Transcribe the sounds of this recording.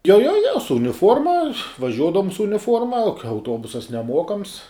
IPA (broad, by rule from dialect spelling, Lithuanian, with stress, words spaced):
joː joː joː sʊ ʊnʲɪˈfuɔrmɐ ʋɐˈʒʲuɔdɐʋʊm sʊ ʊnʲɪˈfuɔrmɐ oː kɐ ɐʊˈtuɔbʊsɐs nʲɛˈmuɔkɐms